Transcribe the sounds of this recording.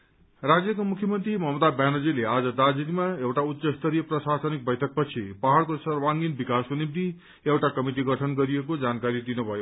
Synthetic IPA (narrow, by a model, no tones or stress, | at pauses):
rad͡zjʌkomukʰjʌmʌnt̪rimʌɦmʌd̪abanʌd͡zilead͡zʌd̪ad͡zid̪imaewʈaut̪ːsʌst̪ʌɾijʌprʌsasʌnik̚bʌjʈʰʌk̚pʌt͡sʰipaɦaɽkosʌrwaŋɡinbikaskonim̚t̪i | ewʈakʌmiʈ̬iɡʌʈʰʌnɡʌɾiekod͡zankaɾid̪inubʱʌjo